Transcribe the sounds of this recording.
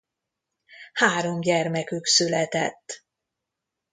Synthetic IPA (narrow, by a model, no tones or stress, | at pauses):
haːɾo̞mɟɛrmɛkyksylɛt̪ɛ̰t̪ː